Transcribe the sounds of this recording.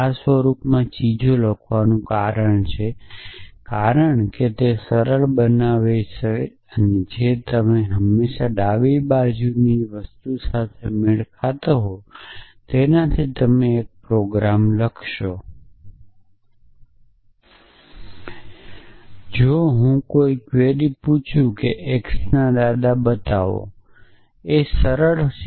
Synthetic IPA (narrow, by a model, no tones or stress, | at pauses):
asʋəɾupmãt͡ʃid͡ʒʱoləkʰʋanũkaɾəɳt͡ʃʰe | kaɾəɳket̪esəɾəɭbənaʋet͡ʃʰe | əned͡ʒet̪əmeɦəmːeʃaɖaʋibad͡ʒuniʋəst̪usat̪ʰemɪɭkʰat̪oɦot̪enat̪ʰit̪əmeːk̚pɾoɡɾamləkʰʃo | d͡ʒoɦũkoikʋeɾiput͡ʃʰũkeʔeksnad̪ad̪abət̪aʋo̰ | esəɾəɭ